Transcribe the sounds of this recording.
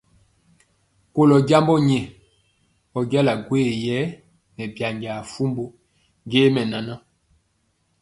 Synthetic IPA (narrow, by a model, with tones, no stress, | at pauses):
ko˦lɔ˨ɟa˦mbɔ˦ɲɛ˨ | ɔ˨ɡja˦la˨ɡwe˦˨jɛ˨˦ | mɛ˨bja˨ŋɡa˨fu˦mbo˦ | ɡe˦mɛ˨na˨na˦